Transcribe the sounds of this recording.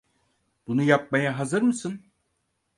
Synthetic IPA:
b̥unujap̚majaɦazɯɾmɯsɯn

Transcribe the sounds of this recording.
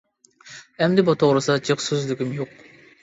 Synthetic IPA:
ɛmd̪ɪbɑt̪ʰoʁɾɨsɑd͡ʒɨχsyzlɪkʲimjoq

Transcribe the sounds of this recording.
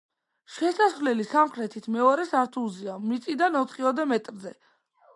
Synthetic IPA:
ʃɛsasvlɛlisamχɾɛt̪ʰit̪ʰmɛɔɾɛsaɾt̪ʰulˠziamit̪sʼid̪anɔt̪ʰχiɔd̪ɛmɛt̪ʼɾzɛ

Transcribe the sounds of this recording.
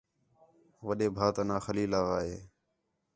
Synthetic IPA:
ʋəɗeːbʱaːt̪ənaːxəliːlaːʋaːɦeː

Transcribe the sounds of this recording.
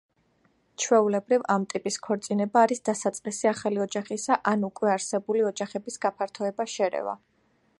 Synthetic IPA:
t͡ʃʰwɛulɛbɾivamt̪ʼipʼiskʰɔɾt̪sʼinɛbaːɾisd̪asat̪sʼqʼisiaχaliɔd͡ʒaχisaʔanukʼwɛaɾsɛbuliɔd͡ʒaχɛbisɡapʰaɾt̪ʰɔɛbaʃɛɾɛ̰va̰

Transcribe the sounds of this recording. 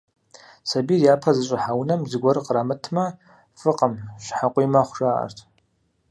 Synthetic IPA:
sɐbiːrjaːpʰɐzɨɕʼɪħawnɐmzɨɡʷɔɾɨqəramɨtʰmɐ | fɨqʼəmɕħaqʷʼijmɐχʷʊʒʼaːʔɐ̰rtʰ

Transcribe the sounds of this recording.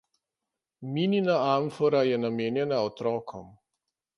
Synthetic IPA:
mininaaɱfɔɾajɛnameːnjɛnaɔt̪ɾɔːkʰɔm

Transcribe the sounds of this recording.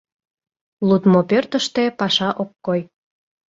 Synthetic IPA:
lut̪mopørt̪əʃt̪epɑʃɑʔokːoj

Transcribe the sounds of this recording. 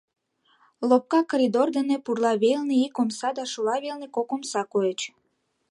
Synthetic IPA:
lop̚kɑkoɾʲid̪ord̪enepurlɑβelneikomsɑd̪ɑʃulɑβelnekokomsɑkoet͡ɕ

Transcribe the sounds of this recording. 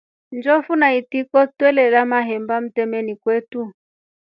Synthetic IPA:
nd͡ʒɔfunaitikɔtwɛlɛlamaɦɛmbam̩tɛmɛnikwɛtu

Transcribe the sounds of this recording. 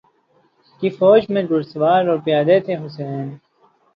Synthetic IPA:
kifoːd͡ʑmẽɖʊɾsʋaːɾoːɾpijaːd̪eːt̪ʰeɦʊs̬eːn

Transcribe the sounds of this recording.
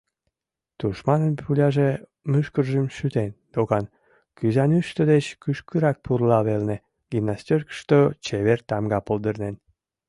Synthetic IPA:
t̪uʃmɑnənpʰulʲɑʒe | myʃkərʒəmʃyt̪end̪̥oɣɑn | kyzɑnyʃt̪əd̪et͡ɕkyʃkyɾɑk̚purlɑβelne | ɡ̥imnːast̪ʲørkʃt̪ot͡ɕeβert̪ɑmɡɑpold̪ərnen

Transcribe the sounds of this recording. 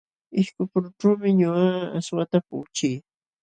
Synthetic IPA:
ɪʃkʊpʊɾʊʈ͡ʂuːmɪɲʊaaswat̪apʊ̰ːt͡ʃij

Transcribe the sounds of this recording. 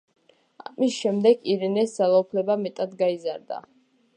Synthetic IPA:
amisʃɛmd̪ɛɡiɾɛnɛsd̪z̥alˠaupʰlɛbamɛt̪ʼad̪ɡaizaɾd̪a̰

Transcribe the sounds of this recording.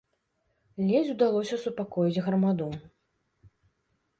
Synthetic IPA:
lʲɛd͡zʲud̪alˠɔsʲɐsupakɔjid͡zʲɣɾɐmad̪u

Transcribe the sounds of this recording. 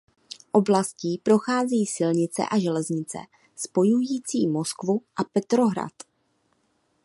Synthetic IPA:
ʔo̞blasciːpɾo̞xaːziːsɪlɲɪt͡sɛ̰ʔaʒɛlɛzɲɪt͡sɛ̰ | spo̞jujiːt͡siːmo̞skvuʔapɛt̪ɾo̞ɦɾa̰t̪

